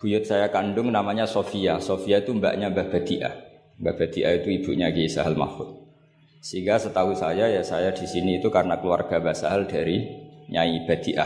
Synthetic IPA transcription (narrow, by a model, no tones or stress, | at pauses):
b̥ujʊt̪̚sajakandʊŋnamaɲasofiasofiait̪umba̰ʔɲabab̥ad̪iʔa̰ | bab̥ad̪iʔait̪uib̥uʔɲaɡiisa̰ɦəlma̰fʊt̪̚ | səiŋɡasət̪aɦusajajasajadisiniːt̪ukaɾənakəlua̰rɡ̥abasaɦəldaɾiɲaib̥ad̪iʔa̰